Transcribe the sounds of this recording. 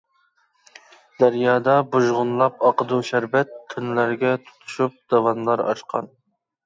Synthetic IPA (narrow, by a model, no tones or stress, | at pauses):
d̪̥æɾjɑːd̪ɑbuʒʁʊnlˠɑp̚ɑqʰəd̪uʃæɾbɛt̪̚kʲʰːynlæɾɡʲɛt̪ʰu̥t̪ʰu̥ʃup̚d̪̥ɑwɑnlˠɑɾɑ̰ʃqʰɑ̰n